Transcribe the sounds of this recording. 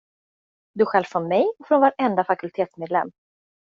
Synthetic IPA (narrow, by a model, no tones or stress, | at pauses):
d̪ɵɧɛlvfɾɔnmɛjɔfɾɔnvaɾɛnd̪afakɵlt̪ʰeːt̪smeːd̪lɛ̰mː